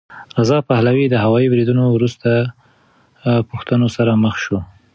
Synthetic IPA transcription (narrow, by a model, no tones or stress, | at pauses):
ɾazɑpahlawid̪əɦawɑibɾid̪unowɾust̪a | puxt̪ənosaɾaməxʃu